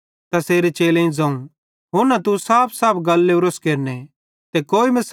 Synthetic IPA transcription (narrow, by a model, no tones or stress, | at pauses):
t̪ɐseːɾet͡ʃeːlẽĩd͡zãːũ | ɦʊɾnɐt̪usaːpʰsaːpʰɡɐlːeɾoskeːɾne | t̪ekoːimɐs